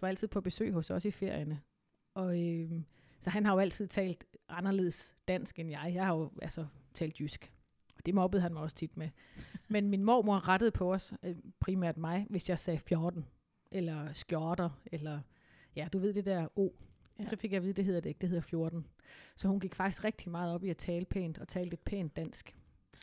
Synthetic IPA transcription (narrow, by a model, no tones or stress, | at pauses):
ʋɑ̈æl̰t͡sʰið̞̰ˠpʰɒ̽b̥e̝sø̰ːɦɔ̽sɒ̽sife̝ɐ̰jənə | ɒ̽ø | sɒ̽ɦænɦɑ̈jo̝æl̰t͡sʰið̞̰ˠt͡sʰɛ̰ːld̥ʔɑ̈nɐle̝ðˠsd̥æn̰sɡ̥enjɑ̈ɪjɑ̈ɪhɑjo̝ælsɐt͡sʰɛ̰ːld̥jysɡ̥ | ɒ̽d̥e̝mɒ̽b̥əð̩ˠhænmɑ̈ɪɒ̽sə̥t͡sʰid̥me | menminmo̰ːmo̝ɐʁad̥əð̩ˠpʰɒ̽ɒ̽spʰʁimæɐ̰d̥mɑ̈ɪʋe̝sjɑ̈ɪsɛːfjoːd̥n̩ | ʔelɐsɡ̥jɒːd̥ɐelɐ | jæd̥uʋe̝ð̰ˠd̥e̝d̥æɐo̝̰ː | sɒ̽fe̝ɡ̥jɑɪiːðˠde̝ɦe̝ð̰ˠɐd̥eeɡ̥̚d̥ehe̝ð̰ˠɐfjo̝ɐd̥n̩sɒ̽hunɡ̥iɡ̥fɑ̈ɡ̥i̥sɡ̥ʁeɡ̥̚d̥imɑ̈ːð̞̩ˠɒ̽b̥iæt͡sʰɛːlpʰḛːnd̥ɒ̽t͡sʰɛːld̥e̝d̥̚pʰḛːnd̥æn̰sɡ̥